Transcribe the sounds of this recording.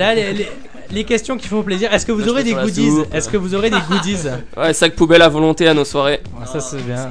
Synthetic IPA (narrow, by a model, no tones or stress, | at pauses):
lalele | lekʲɛst̪jɔ̃kʲi̥fɔ̃pleziʁɛskəvuzɔʁed̪eɡud̪izɛskəvuzɔʁed̪eɡud̪iz | wɛsak̚pubɛlavɔlɔ̃t̪eanoswaʁe | sasɛbjɛ̃